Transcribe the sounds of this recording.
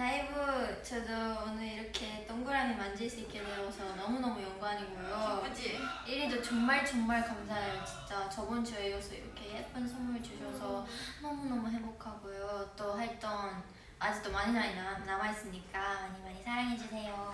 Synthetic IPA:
naibut͡ɕʌdʌːnɯɾiɾʌkʰe̞t͈ʌŋɡuɾɦamimand͡ʑes͈ɯik͈edeosʰʌnʌmunʌmujʌŋɡuɦaɲiɡojo | iɾidot͡ɕʌŋmaɭt͡ɕʌŋmaɭkams̬ʰaɦeɾot͡ɕi̥nt͡ɕ͈at͡ɕʌbont͡ɕʌeɡʌsʰʌiɾʌkʰe̞hep͈ʰɯnsʰʌŋmit͡ɕuɕʰʌsʰʌnʌmunʌmuɦe̞mbokʰaɡojot͈oɦaɭt͈ʌn | ad͡ʑik̚t͈omaɲinaɲinanamais͈ɯmɲik͈aaɲimaɲisʰaɾaŋɦe̞d͡ʑusʰe̞jo

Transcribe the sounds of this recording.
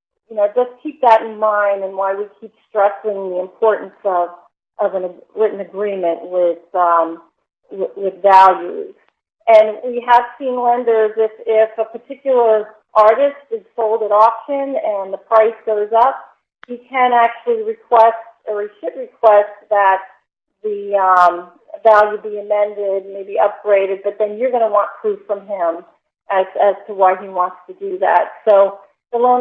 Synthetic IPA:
jɨnoʊd͡ʒʌskʰip̚ðɨɾn̩mãɪ̃ndɨ̃nwaɪwikʰipstɹ̥ɛsɪ̃ŋðiɨ̃mpʰɔɹʔn̩sʌv | ʔʌvɨ̃nɨɹɪɾn̩ɨɡɹĩmɨ̃nʔwɪð̥ʌ̃m | wɪwɪðvælˠjʉ̰z̥ | ɨ̃nwiəv̥sĩnlɛ̃ndə˞zɪfɪfəpʰə˞tʰɪkjl̩ˠə˞ | ʔɑɹɾɨstɨz̥soʊlˠdɨɾɔpʃɨ̃nɨ̃nðəpʰɹ̥aɪsɡ̥oʊzʌp̚ | hikʰɨ̃næk̚t͡ʃʉl̩ˠiɹɨkʰw̥ɛstə˞iʃɨd̚ɹɨkʰw̥ɛst̚ðɨt̪̚ | ðɨʌ̃m | vælˠjɨbiɨmɛ̃ndɪd̚meɪbiʌp̚ɡ̥ɹeɪɾɨd̚bʌt̪̚ðɨ̃njə˞ɡʌñəwɑ̃npʰɹ̥ʉv̥fɹʌ̃mɪ̃m | ʔɨz̥ɨz̥tʰəwaɪiwɑ̃ntstʰɨdɨðæ̰tsoʊ | ðəlõ

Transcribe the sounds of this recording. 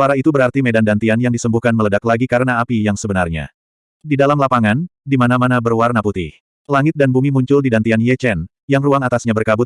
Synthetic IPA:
suaɾait̪ubəɾart̪imedandant̪ianjaŋdisəmbuhkanmələdaklaɡikaɾənaːpijaŋsəbənarɲa̰ | didalamlapaŋandimanamanabərwarnaput̪ɪh | laŋɪt̪̚danbumimuɲt͡ʃʊldidant̪ianjɛt͡ʃɛn | jaŋruaŋat̪asɲabərkabʊt̪̚

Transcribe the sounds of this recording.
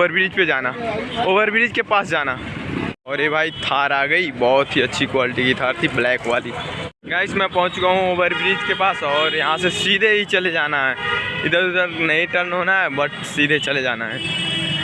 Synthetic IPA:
əɾbɪɾiːd͡ʒped͡ʒaːnaoːʋəɾbɪɾiːd͡ʒkepaːsd͡ʒaːnaɔːɾebʱaːit̪ʰaːɾaːɡəibɔːt̪ɦiɐtːʃʰikwaːlɪʈikit̪ʰaːɾt̪ʰiblɛːkʋaːliː | ɡaːɪsmɛ̃pɐ̃ɦʊ̃t͡ʃɡəɦũoːʋəɾbɾid͡ʒkepaːsɔːɾjɐɦãsesiːd̪ʱeɦit͡ʃɐled͡ʒaːnaɦɛːɪd̪əɾɪd̪əɾnəĩʈəɾnɦoːnaɦɛbəʈsiːd̪ʱet͡ʃɐled͡ʒaːnaɦɛː

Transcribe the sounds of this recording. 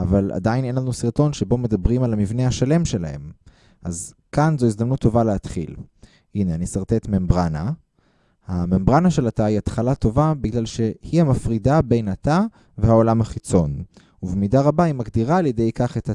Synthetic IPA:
avala̰d̪aine̞nlanusiʁto̞nʃe̞bo̞me̞d̪abʁimalamivnehaʃale̞mʃe̞la̰he̞̰m | ʔazkanzo̞izd̪amnut̪ʰːo̞valeat̪χḭl | ineanisaʁt̪et̪membʁana | hamembʁanaʃe̞lataiat̪χalat̪o̞vabiɡlalʃe̞hiamafʁidabe̞jnat̪a | vehao̞lamhaχit͡so̞n | uvemidaʁabaimaɡd̪iʁaːlje̞de̞jkaχet̪a

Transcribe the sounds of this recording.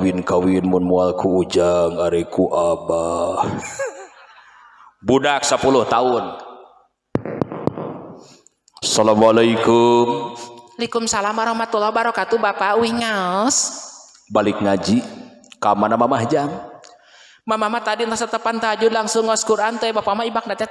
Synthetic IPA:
winkawinmʊnmualkʰuːd͡ʒaŋaɾɛkuʔabah | budak̚səpulʊht̪aʊn | salamualaikumlikumsalamaɾɔhmat̪ulahbaɾɔkat̪ubapauwiŋas | balɪk̚ŋad͡ʒikamanamamahd͡ʒam | mamahmaht̪adint̪asət̪əpant̪aad͡ʒudlaŋsʊŋaskuɾʔant̪ujbapamaibak̚ndat̪a

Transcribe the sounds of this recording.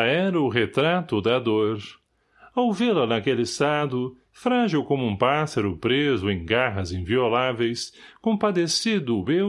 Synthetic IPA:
ɛɾɐʊɦet̪ɾat̪ʊd̪ɐd̪oɾ | awvelɐnɐkelɪɪst̪ad̪ʊ | fɾaʒiwkõmʊũpasɐɾʊpɾezʊẽj̃ɡaɦɐzĩviolavejskõpad̪esid̪ʊbe

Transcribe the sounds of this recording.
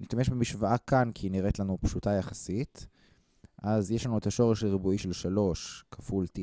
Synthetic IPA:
niʃtameʃbemiʃvaʔakankiniʁetlanupʃutajaχasit | ʔazjeʃlanuetaʃo̞ʁeʃleʁibuiʃelʃalo̞ʃkʰafulti

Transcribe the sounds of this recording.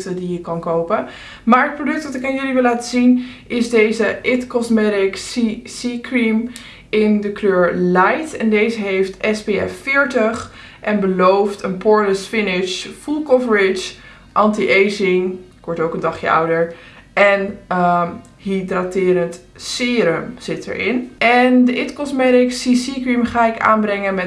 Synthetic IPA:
tədijəkɑnkowpə | maːɹət̚prodɵk̚tʋɑtɪkanjyliʋɪlaːtəzinʔɪzdejzəʔɪtkɔsmɛɾɪksisikrim | ɪndəkløːɹlɛjtɛndejzəɦejftɛsbeɛ̰fɪːɹtəχ | ʔɛnbəlowftənpɔɹləsfɪnɪʃfulˠkɔvəɹɪt͡ʃ | ʔɑntiʔejsɪŋkʋɔɹtowkəndɑχjə̰ʌ̰wdəɹ | ɛnə | hidratɪːɾənt | sɪɾəmz̥ɪtə̰ɹʔɪ̰nʔɛndəʔɪtkɔsmɛɾɪksisikrimχaːɪka̰ːnbrɛŋənmɛ

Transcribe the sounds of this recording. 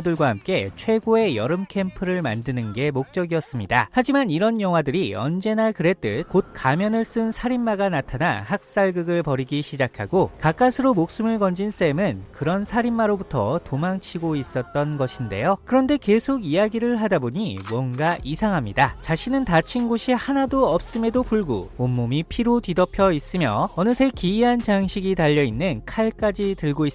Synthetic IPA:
dɯɭɡwahamk͈e̞t͡ɕʰwe̞ɡoe̞jʌɾɯmkʰe̞mpʰɯɾɯɭma̰ndɯnɯnɡe̞mok̚t͡ɕ͈ʌɡiʌs͈ɯmɲidahad͡ʑimaniɾʌnjʌŋwadɯɾiʌ̰nd͡ʑe̞nakɯɾe̞t͈ɯkot̚k͈amjʌnɯɭs͈ɯnsʰaɾimːaɡanatʰanahak̚s͈aɭɡɯɡɯɭpʌɾiɡiɕʰid͡ʑakʰaɡokak͈asʰɯɾomok̚s͈ɯmɯɭkʌnd͡ʑins͈e̞mɯnkɯɾʌnsʰaɾimːaɾobutʰʌ̰tomaŋt͡ɕʰiɡois͈ʌt̚t͈ʌnɡʌɕʰinde̞̰jokɯɾʌnde̞ke̞sʰoɡijaɡiɾɯɭɦadaboɲiwʌnɡaʔisʰaŋɦamɲidat͡ɕaɕʰinɯntat͡ɕʰinɡoɕʰihanadoʌp̚s͈ɯme̞dopuɭɡo̰omːomipʰiɾotɥidʌpʰjʌis͈ɯmjʌʌnɯsʰe̞kiːɦant͡ɕaŋɕʰiɡitaʎːʌinːɯnkʰaɭk͈ad͡ʑitɯɭɡois͈

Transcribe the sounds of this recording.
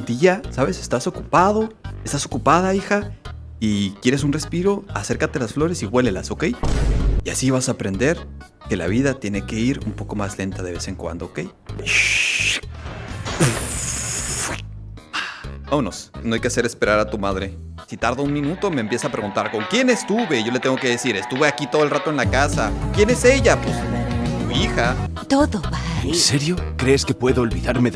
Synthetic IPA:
d̪iʝasaβe̞se̞st̪aso̞kupað̞o̞est̪aso̞kupað̞aixa | ikje̞ɾes̬unre̞spiɾo̞ase̞ɾkat̪e̞lasflo̞ɾe̞siβwe̞le̞laso̞ke̞jia̰siβasaːpɾe̞nd̪e̞ɾ | ke̞la̰β̞iðat̪je̞ne̞ke̞iɾṵmpo̞ko̞mazle̞nt̪aðe̞βese̞ŋkwa̰nd̪o̞ːke̞j | ownosnoajkease̞ɾe̞spe̞ɾaɾat̪umaðɾe̞ | sit̪aɾðounmĩnut̪omeːmpje̞sapɾeɣunt̪aɾko̞ŋkje̞nest̪uβe̞ʝo̞let̪eŋɡo̞ke̞ðe̞siɾe̞st̪uβe̞akit̪oðlrat̪oe̞nlakasakjene̞se̞ʝapwest̪uixa | t̪oðoβanseɾjo̞kɾe̞ːske̞pwe̞ðoːlβiðaɾme

